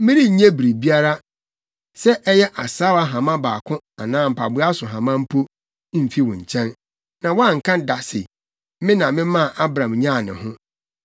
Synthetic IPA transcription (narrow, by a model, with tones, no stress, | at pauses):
mɪ̃˦ɾi˦ɲɛ̃˦bi˨ɾi˨bi˦a˦ɾa˦ | sɛ˦ʔɛ˦jɛ˦ʔa˨saː˦wa˦ɦã˨mã˦baː˨kʰʊ̃˦ | a˨nãː˦m̩˨pʰa˨bʊ˦a˦sʊ˨ɦã˨mã˦m̩˦pʰo˦ | m̩˨fi˦wɔ̃˨ɲ̩˨t͡ɕʰɛ̃˦n | nã˨wɔ˦a˦˨ŋ̩˨kʰã˦da˨sɪ̰˨˦ | mɪ̃˦nã˨mɪ̃˦mã˦˨ʔa˦bɾã˨mɲã˦˨nɪ̰̃˨ɦʊ̃˦